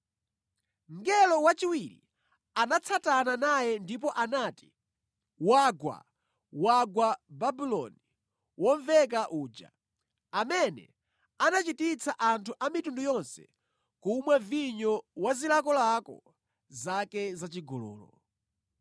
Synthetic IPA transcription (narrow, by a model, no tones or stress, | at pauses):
ŋɡɛlɔwat͡ʃiwiɾḭ | anat͡sʰatananajɛndip̬ɔʔanaːti̥ | waɡwa̰ | waɡwababilɔ̰ni | wɔɱvɛk̬aʔuːd͡ʒa̰ | amɛnɛ̰ | anat͡ʃitit͡sʰaʔantʰuʔamitundujɔnsɛ̰ | kumwɛviɲɔwazilakɔlakɔ̰ | zakɛzat͡ʃiɡɔlɔ̰ːlɔ̰